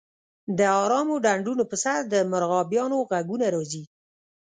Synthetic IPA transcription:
d̪əɑɾɑmoɖaɳɖunopəsaɾd̪əmʊɾɣɑbjɑnoɣaɡunaɾɑzi

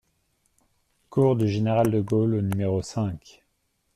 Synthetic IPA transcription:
kuʁd̪yʒeneʁald̪əɡolonymeʁosɛ̃k

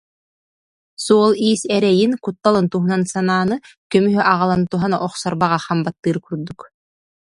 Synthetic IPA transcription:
suɔlˠiːsɛɾɛjinkut̪ːalˠɯnt̪uɦunansanaːnɯ | kœmyɦyʔaʁalˠant̪uɦanaʔɔχsɔɾbaʁaχambat̪ːɯːɾkuɾd̪uk

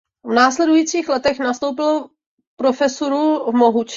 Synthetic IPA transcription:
vnaːslɛdujiːt͡siːxlɛt̪ɛxnast̪owpɪlo | pɾo̞fɛsoɾuvmoɦut͡ʃ

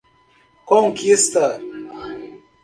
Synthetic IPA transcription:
kɔŋkist̪a

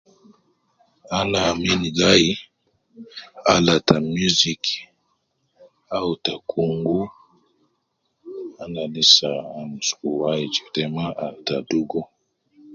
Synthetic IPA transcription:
anaminiɡaji | a̰latamuzik | awutakʰuŋɡu | ananisaːmskuwaid͡ʒi̥tɛmaʔata̰duɡɔ

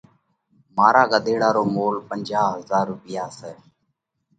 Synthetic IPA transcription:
maːɾaːɡəd̪ʱeːɽaːɾoːmoːlpənʲd͡ʒaːɦəzaːɾʊpɪjaːsɛː

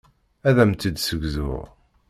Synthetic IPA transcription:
æðæmt̪id̪səɡʷzʊ̰ʁ

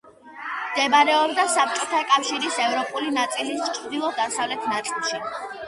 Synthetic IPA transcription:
md̪̥ɛbaɾɛɔbd̪asap̚t͡ʃʼɔt̪ʰakʼafʃiɾisɛvɾɔpʼulinat̪sʼilist͡ʃʰɾd̪ilˠɔd̪asavlɛt̪ʰnat̪sʼilˠʃi

